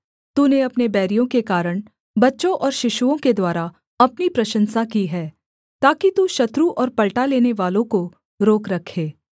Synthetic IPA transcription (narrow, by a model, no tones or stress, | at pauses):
t̪uːneɐpnebɛːɾijõkekaːɾəɽ̃ | bɐtːʃõʔɔːɾʃɪʃuõked̪waːɾa | ɐpnipɾɐʃə̃nsakiɦɛː | t̪aːkit̪uʃɐt̪ɾuʔɔːɾpɐlʈaleːneʋaːlõko | ɾoːkɾɐkʰːeː